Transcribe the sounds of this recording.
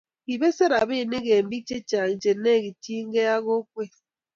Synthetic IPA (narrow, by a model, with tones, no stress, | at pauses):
i˨be˦se˦ɾa˨be˦˨ne˦ɣe˨m̩˦bi˦t͡ʃe˦t͡ʃa˨n̩˨d͡ʒe˨˦ne˦˨ɡi˨ti˦ŋ̩˦ɡe˦ja˦ɣo˦k̚ʷe˦